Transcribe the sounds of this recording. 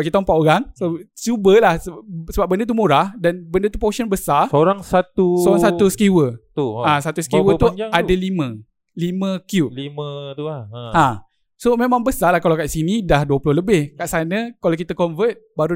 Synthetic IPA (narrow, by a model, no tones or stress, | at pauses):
pkit̪ampaʔ̪oɾaŋst͡ʃubəlahsəsəbap̚bəndət̪̬umuɾahdanbəndət̪upoʃənbəsasoɾaŋsat̪usoɾaŋsat̪usə̥kiwət̪uãsat̪uskiwət̪uʔadalimə̃ | limə̃kjup̚limə | ã | somẽmãŋbəsalahkalawkaʔsinidahduəplʊhləbɪhkaʔsanəkalawk̬it̪akɔnvət̪̚baɾu